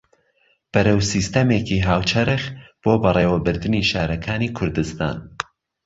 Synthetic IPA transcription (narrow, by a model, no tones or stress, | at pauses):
b̥ɨɾɐwsist̪ɐmeːkiɦaːwt͡ʃʰɐɾɨxb̥oːbɐrˤeːwɐbɨɾd̪ɨniːʃaːɾɐkʰaːniːkʰʊɾd̪ɨst̪a̰ːn